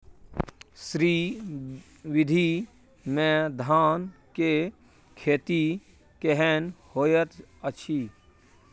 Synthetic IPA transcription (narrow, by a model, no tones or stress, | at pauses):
sɾiː | ʋɪd̪ʱi | mẽd̪ʱaːnke | kʰeːt̪i | keɦenhojət̪ət͡ʃʰi